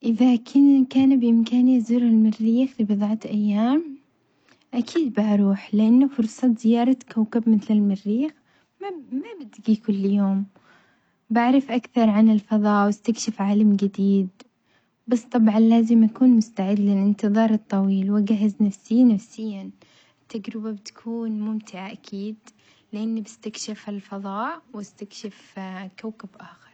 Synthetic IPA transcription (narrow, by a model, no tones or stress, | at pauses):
ʔɪðakʰɪnkaːnbʔɪmkaːnizuːɾɪlmɪrːiːxfibɨðˤʕɑt̪ʔajːaːm | ʔakʰiːd̪̚baʔɾˤuːħlɪʔanːafʊɾˤsˤɑz̥ɪjɑːɾˤɑkawkabmɪθlɪlmɪrːiːx | mamabɪd̪ɡikʊlːjoːm | baʕɾɪfʔakθɑɾˤʕanɪlfɑðˤɑːwɪst̪akʃɪfʕaːlamɡɪd̪iːd̪̚ | bɑsˤt̪ˤɑbʕɑnlaːzɪmʔakuːnmʊst̪aʕɪd̪ːlɪlʔɪnt̪ɨðˤɑːɾˤɨt̪ˤːɑwiːlwɪɡaɦɪznafsɪjːnafsɪjːa | ɪt̪ːad͡ʒɾɪbabɪt̪ḁkʰuːnmʊmt̪ɪʕaʔakʰiːd̪ | lɪʔanːibɪst̪akʃɪfɪlfɑðˤɑːʔwɪst̪akʃɪfkawkɪbʔaːxɪɾˤ